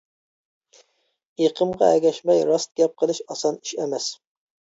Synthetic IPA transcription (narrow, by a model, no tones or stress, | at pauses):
eqʰəmʁɑæɡʲɛʃmɛjɾɑst̪̚ɡʲɛp̚qʰəlˠɨʃɑsɑni̥ʃɛmɛs